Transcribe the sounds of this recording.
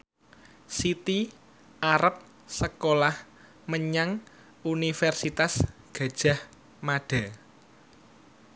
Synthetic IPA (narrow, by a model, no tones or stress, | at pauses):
sit̪i | aɾəp̚ | səkolah | məɲaŋ | unifɛrsit̪asɡ̥ä̤d̥ʒ̥a̤h | maɖ̥a̤